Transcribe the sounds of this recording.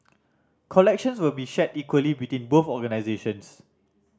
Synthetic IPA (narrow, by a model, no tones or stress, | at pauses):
kʰɔlɛk̚ʃə̃nswəlbiʃɛtikwəlibitwĩnboθɔɡənaɪzeʃə̃ns